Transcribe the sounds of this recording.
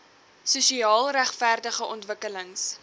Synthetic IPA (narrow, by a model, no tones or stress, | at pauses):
susiɑːlˠræχfærdəχəʔɔntvəkələŋs